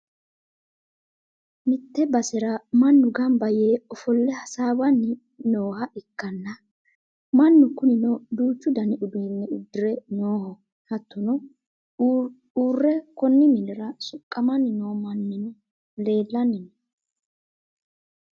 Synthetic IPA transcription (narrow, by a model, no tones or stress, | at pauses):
mɪt̪ːɛbɐsɛɾɐmɐnːʊɡɐmbɐjeːɔfɔlːɛhɐsaːwɐnːɪ | no̞ːhɐɪkːɐnːɐ | mɐnːʊkʊnɪnɔd̪uːt͡ʃːʊd̪ɐnɪʊbiːnːɛʊd̪ːɪɾɛnoːhɔ | hɐt̪ːɔnɔ | uːrːɛkɔnːɪmɪdɪɾɐsʊkʼːɐmɐnːɪnoːmɐnːɪn | le̞ːlːɐnːɪn